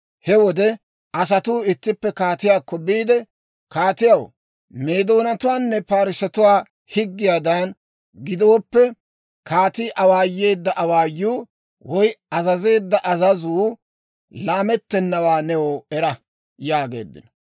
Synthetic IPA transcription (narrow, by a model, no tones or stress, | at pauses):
hɛwɔd̪ɛ | ʔɐs̬ɐt̪uːɪt̪ːɪpːɛkaːt̪ɪjaːkːɔbiːd̪ɛ | kaːt̪ɪjɐw | me̞ːd̪o̞ːnɐt̪ʊwaːnːɛpaːɾɪsɐt̪ʊwaː | hɪɡːɪjaːd̪an | ɡɪd̪o̞ːpːɛ | kaːt̪iːʔɐwaːjːe̞ːd̪ːɐʔɐwaːjːuː | wɔjɐzɐze̞ːd̪ːɐʔɐzɐzuː | laːmɛt̪ːɛnːɐwaːnɛwoɛɾɐ | jaːɡe̞̰ːd̪ːɪ̰nɔ